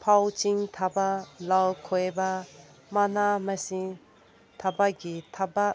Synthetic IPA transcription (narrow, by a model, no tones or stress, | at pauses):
pʰawt͡ʃiŋt̪ʰabalalkʰojba | manamɐsi | t̪ʰabaɡitʰaba